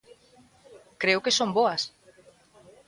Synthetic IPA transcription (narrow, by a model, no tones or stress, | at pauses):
kɾeʊkesomboɐs